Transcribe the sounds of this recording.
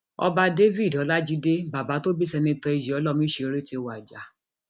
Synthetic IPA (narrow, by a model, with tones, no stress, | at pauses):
ɔ̰˧ba˧de˦vi˦˨dɔ˨˦la˦d͡ʒi˦de˦ba˨ba˨˦to˦bi˦sɛ˧nĩ˧tɔ˧i˨˧d͡ʒi˨ɔ˨˧˦lɔ˦˨mĩ˦ʃe˧ɾe˦ti˧˨wa˨d͡ʒa˨˦